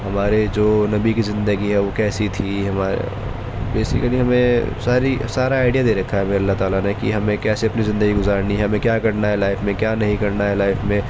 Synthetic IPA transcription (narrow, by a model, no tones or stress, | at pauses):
ɦɐmaːɾed͡ʒoːnɐbikizɪ̃nd̪əɡiɦɛʋokɛːsit̪ʰiɦɐmaːɾḛ | beːsɪkəliɦɐmẽsaːɾisaːɾaaːɪɖijad̪eɾɐkʰːaɦɛmeɐlːaɦt̪aːlanekḭɦɐmẽkɛːseɐpnizɪ̃nd̪əɡiɡʊzaːɾniɦɐmẽkjaːkɐɾnaɦɛlaːɪfmẽkjaːnɐɦĩkɐɾnaɦɛlaːɪfmẽ